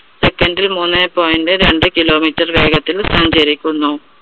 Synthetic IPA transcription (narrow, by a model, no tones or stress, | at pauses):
sekːɐnɖilmuːnːepoːjindɨɾe̞ɳɖɨkilo̞ːmitːɐrʋe̞ːɡɐt̪ːilsɐɲd͡ʑɐɾikʲːunːu